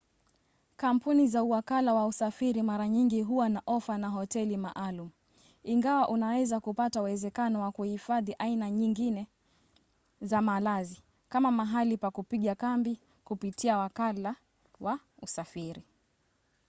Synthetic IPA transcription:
kampunizauwakalawausafiɾimaɾaɲiŋɡiɦuwanaʔɔfanaɦɔtɛlimaʔalumu | iŋɡawaʔunawɛzakupatauwɛzɛkanɔwakuhifaðiʔainaɲiŋɡinɛ | zamalazi | kamamaɦalipakupiɠakambi | kupitʰiawakala | wa | usafiɾi

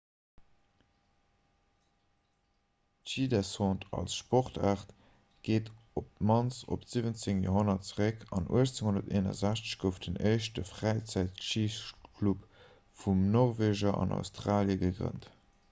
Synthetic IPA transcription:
tʃidɛsɔ̃ːntʰɑ̰lsʃpoʁtʰaːʁt | ɡ̥eːtop̚mɑnt͡so̰pz̥ivənt͡seŋjo̰ːɦonɐtt͡səʁəkʰɑnʔṵəʃt͡seŋhondɐteːnɐ̰zæɕt͡sə̥ɕɡ̥əʊfd̥ənɜɪʃtəfʁæɪt͡sæɪtʃikʰlup | fumnɔʁveːʒɐɑ̰na̰ʊstʁaːljəɡəɡʁə̰nt

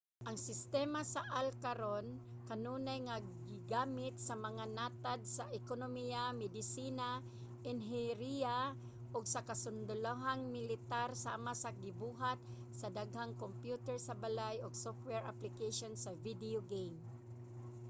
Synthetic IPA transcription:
ʔɐŋsɪst̪ɛːmasaʔalkaɾon | kɐnuːnajŋa | ɡɪɡaːmɪt̪̚sɐmɐŋanaːt̪ad̪̚sɐʔɛkonomijamɛd̪ɪsiːna | ʔɪnɦɛɾia | ʔoɡsɐkasʊnd̪ʊlaɦaŋmɪlɪt̪aɾsaːmasɐɡɪbuːɦat̪̚ | sɐd̪aɡhaŋkompjuːt̪ɛɹsɐbalajoɡsoft̪̚wɛɹʔa̰plɪkeʃonsɐvid̪ɪoɡejm

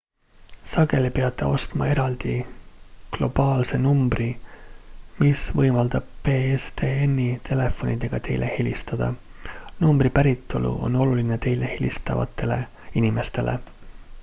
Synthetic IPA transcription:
sɑɡ̥e̞lipeɑt̪ːˑe̞̰o̞st̪mɑ̰e̞ɾɑld̪̥i | klo̞b̥ɑːlse̞numbri | misvɤjmɑld̪̥ɑb̥̚peːest̪eːenːit̪ʰe̞le̞fo̞nid̪e̞ɡ̥ɑt̪e̞jlʔe̞helʲist̪ɑd̪̥ɑ̰numbɾipæɾit̪ːˑo̞lṵʔo̞no̞luline̞t̪e̞jle̞helʲḭst̪ɑvɑ̰t̪ːe̞le | inime̞st̪e̞̰lʔḛ

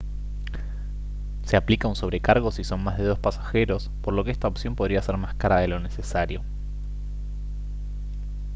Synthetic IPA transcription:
se̞aplikaunso̞β̞ɾekaɾɣ̞o̞siso̞nmazðe̞ðo̞spasḁxe̞ɾo̞spo̞ɾlo̞keest̪aopsjo̞mpoðɾiase̞ɾmaskaɾaðe̞lo̞ne̞se̞saɾjo̞

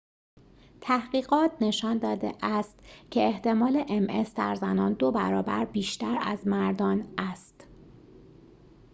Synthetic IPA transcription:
t̪ʰæhɢiːɣɒːt̪ʰne̞ʃɒːnd̪ɒːd̪ḛʔæst̪cʰe̞eht̪e̞mɒːle̞ʔemʔe̞sd̪æ̰ɾzænɒ̰ːnd̪obæ̰ɾɒːbæ̰ɾbiːʃt̪æɾæ̰zmæɾd̪ɒːnæst̪

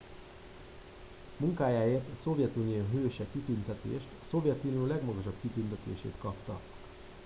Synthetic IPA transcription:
muŋkaːjaːeːrt̪ɒso̞vjɛt̪unijoːɦøːʃɛkit̪ynt̪ɛt̪ḛːʃt̪ɒso̞vjɛt̪unioːlɛɡmɒɡɒʃɒbkit̪ynt̪ɛt̪ḛːʃḛːt̪kɒpt̪ɒ̰

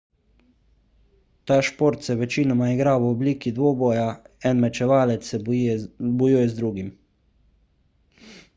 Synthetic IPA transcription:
t̪aːʃpoːɾt̪sɛʋɛt͡ʃiːnɔmaiɡɾaːwɔbliːkid̪ʋoːboːjaɛnmɛt͡ʃɛʋaːlɛt̪ssɛ | bɔjujɛzd̪ɾuːɡim

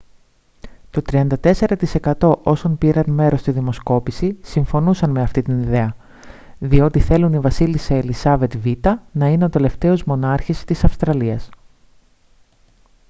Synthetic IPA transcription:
t̪o̞t̪ɾiɐnd̪ɐt̪e̞se̞ɾɐt̪ise̞kɐt̪o̞ʔo̞sonpiɾɐnme̞ɾo̞st̪iðimo̞sko̞pisisiɱfo̞nusɐnme̞ɐft̪it̪iniðe̞ɐ | ðio̞t̪iθe̞lunivɐsiliseːlisɐve̞t̪vit̪ɐnɐineo̞t̪e̞le̞ft̪e̞ozmo̞nɐɾçist̪isɐfst̪ɾɐliɐs

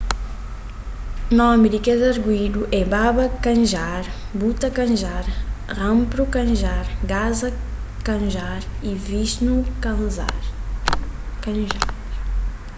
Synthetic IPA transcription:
nɔmiɾikɛzɐɾɡwid̪uʔɛbabɐkɐ̃nʒaɾ | but̪ɐkɐ̃ʒaɾʁɐ̃mpɾukɐ̃ʒaɾɡazɐ | kɐ̃ʒaɾiviʃnukz | kɐ̃ʒaɾ

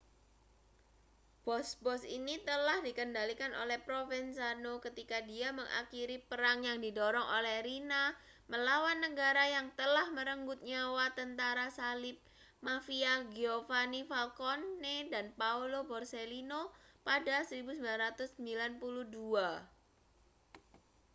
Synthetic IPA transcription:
b̥ɔsbɔsḭnit̪əlahdikəndalikanʔo̰lɛhpɾofɛnsanokət̪ikadiaməŋʔa̰kiɾipəɾaŋjaŋdidɔɾɔŋo̰lɛhɾina | məlawanːəɡaɾajaŋt̪əlahməɾəŋɡʊt̪̚ɲawat̪ənt̪aɾasalɪp̚ | mafiaɡiofanifalkonːedanpaulobɔrselinopadasəɾibusəmbilanɾat̪ʊsːəmbilanpuluhdua

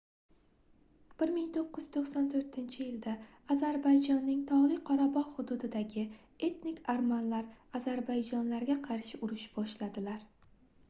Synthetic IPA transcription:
b̥ɪɾmɪŋt̪ʰoqːɨjz̥t̪ʰoqsant̪ʰɵɾt̪ʰɪnt͡ʃʰɪjɪld̪aː | zaɾbajd͡ʒɒnːɪŋt̪ʰɒʁlˠɪqʰɒɾabɒʁhʊd̪ud̪ɪd̪aɡʲɪ | e̞t̪nɪkʲaɾmanlaɾazaɾbajd͡ʒɒnlaɾɡʲaqʰɑɾʃɪʔʊɾɪʃɪ̥bɒʃlad̪ɪlaɾ

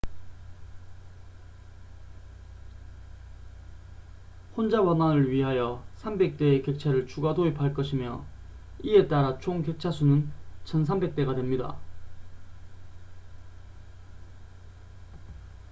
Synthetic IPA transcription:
hond͡ʑawananɯɭɥiɦajʌsʰambe̞k̚t͈e̞ːke̞k̚t͡ɕʰaɾɯɭt͡ɕuɡadoepaɭk͈ʌɕʰimjʌ̰ | ie̞t͈aɾat͡ɕʰoŋke̞k̚t͡ɕʰasʰunɯnt͡ɕʰʌns̬ʰambe̞k̚t͈e̞ɡadwe̞mɲida̰

